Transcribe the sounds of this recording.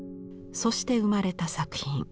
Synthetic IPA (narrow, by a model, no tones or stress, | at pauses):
so̞ɕi̥t̪e̞ɯ̟maɾe̞t̪asakɯ̟̥çĩŋ